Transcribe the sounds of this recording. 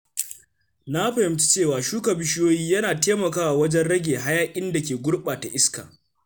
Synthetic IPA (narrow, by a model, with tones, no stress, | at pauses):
na˦ɸɐ˨hɪ˨˦mt͡ʃi̥˦t͡ʃeː˦˨waː˨ʃuː˦kɐ˨bɪ˦ʃɪ˦joː˦jiː˦jɐ˦naː˨teː˦mɐ˨kaː˦wa˨wɐ˦d͡ʒɛ˦nɽɐ˦ɡʲeː˨ɦa˦jaː˦kʲʼɪ˦nda˨kʲeː˨ɡʷʊ˦ɽɓaː˨ta˨ʔɪ˦ska̰˨